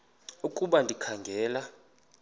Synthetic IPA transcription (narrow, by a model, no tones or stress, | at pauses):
ukʼuɓandʱikʰaŋɡʱɛːla